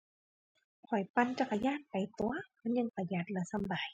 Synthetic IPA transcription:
kʰɔ˨˩jpa˧nt͡ɕa˧ka˧˩jaː˧˥˩n̚pa˨˩jt̪u˧˨ɐmaː˧˥˨nɲɯ˧˨ŋpa˧˩ja˨˧˩t̪̚lɛ˧sa˧˥˦mbaː˨j

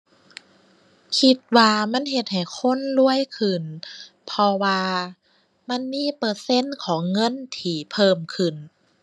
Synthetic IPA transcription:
kʰi˧t̪̚waː˧ma˧˥˨nɦe˧t̪̚ha˨˩jkʰo˧˥˨nlu˧˩əjkʰɯ˧˩n | pʰɔ˧waː˧ | ma˧˥˨nmiː˧˥˨pɤː˧˩se˧˥˨nkʰɔː˨˩˦ŋːɤ˧˥˨nt̪ʰiː˧˩pʰɤː˧˩mkʰɯ˧˨˩n

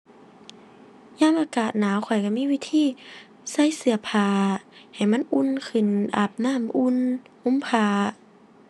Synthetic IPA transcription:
ɲaː˧˥˨mʔaː˧kaː˨˩t̪̚naː˨˦wkʰɔ˨˩jka˧˩miː˧˥˨wiː˧˥t̪ʰiː˧˥˨ | sa˧˥˨jsɯ˧˩ɐpʰaː˧ha˨˩jma˧˥˨nʔu˧˥˨nkʰɯ˨˩nʔa̰˨˩p̚naː˧˥˨mʔu˧˥˨n | ʔu˧˥˨mpʰaː˧

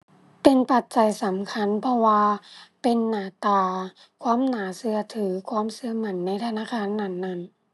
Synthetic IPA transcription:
pe˨npa˨˩t̪̚t͡ɕa˨˩jsa˨˦mkʰa˧˥˨npʰɔ˧waː˧pe˨nːaː˨˩˦t̪aː˧˩ | kʰwaː˧˥˨mnaː˨˦sɯ˧ɐt̪ʰɯː˩˦kʰwaː˧˥˨msɯ˧ɐma˧˩nːa˧˥˨jt̪ʰa˧naː˧˥˨kʰaː˧˥˨nːa˧˩˨nːa˧˩˨n

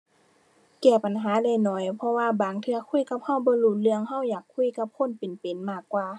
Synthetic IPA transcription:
kɛː˧˩pa˨nɦaː˨˦da˧˩jnɔː˧˩jpʰɔ˧waː˧baː˨ŋt̪ʰɯ˧ɐkʰu˧˥˨jka˧˥p̚ha˧˥˨wbɔː˧˦lu˧˩t̪̚lɯ˧˨əŋɦa˧˩˨wjaː˨˩kʰːu˧˥˨jka˧˥p̚kʰo˧˥˨npe˨npe˨nmaː˧˩kːwaː˧˨

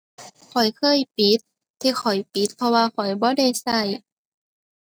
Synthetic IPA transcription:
kʰɔ˨˩jkʰɤː˧˨jpi˨˦˥t̪̚ʰː | iː˧xʰɔ˨˩jpi˨˦˥t̪̚pʰɔ˧waː˧kʰɔ˨˩jbɔː˧˦da˧˩jsa˧˩j

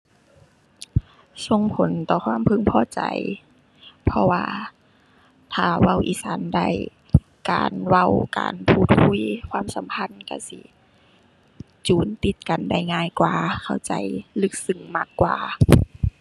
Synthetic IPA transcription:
so˧˨ŋpʰo˨˦nt̪ɔː˧˩kʰwaː˧˥˨mpʰɯ˧˥˨ŋpʰɔː˧˨t͡ɕa̰˨˩j | pʰɔ˧waː˧ | t̪ʰaː˧˩wa˧˩˨wʔiː˧˩saː˨˦nda̰˧˩˨j | ka̰ː˨˩nwa˧˩wka̰ː˨npʰuː˧˩t̪̚hʰu˧˥˨jkʰwaː˧˥˨msa˨˦mpʰa˧˥˨nka̰˧˩sḭ˧˦ | t͡ɕuː˨˩nt̪i˧˦t̪̚ka˨nda˧˩jŋaː˧˥˨jkwaː˨˧˩kʰa˧˩wt͡ɕa̰˨jlɯ˧˩k̚sɯ˧˩ŋmaː˧˩kːwaː˧

